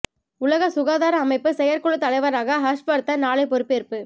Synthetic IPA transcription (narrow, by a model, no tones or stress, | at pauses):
ʊlɐɣɐsʊɣaːðaːɾɐːmɐɪpːɯsɛjɐɾkɔɭɯt̪ɐlɐɪʋɐɾaːɣɐɦɐʂpɐɾt̪ːɐnaːɭɐɪpɔɾɯpːɯɛɾpːɯ